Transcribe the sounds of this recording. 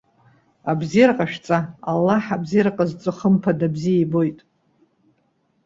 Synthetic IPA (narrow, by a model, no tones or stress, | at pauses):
abzirqʼaʃᶣt͡sʼaalːaħabzirqʼazt͡sʷʼɨχəmpʰadabzijajbo̞jtʼ